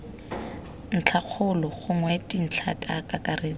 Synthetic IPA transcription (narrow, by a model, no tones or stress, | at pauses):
n̩t͡ɬʰak͡xʰʊlɔχʊŋwɛtʼin̩t͡ɬʰa̰kʼakʼakʼareːt͡sɔ